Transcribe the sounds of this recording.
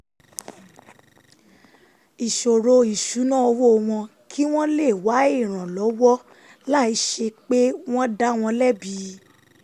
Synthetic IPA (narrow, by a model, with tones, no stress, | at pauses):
i˨ʃo˨ɾo˧i˨ʃu˨˦nã˦o˧wo˦˧w̃ɔ̃˧ | kʰi˦w̃ɔ̃˦le˦˨wa˨˦i˦˨ɾ̃ã˨lɔ˨˦wɔ˦ | la˦i˨˦ʃe˧k͡pe˦w̃ɔ̃˦da˦w̃ɔ̃˧lɛ˦bi˨˦